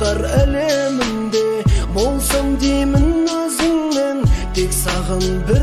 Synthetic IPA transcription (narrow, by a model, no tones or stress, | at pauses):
ɑɾælemɪnd̪e̞bo̞lˠsɑmd̪ejmɪnwɵzɪŋment̪ʰe̞ksɑʁɑnbɪɾ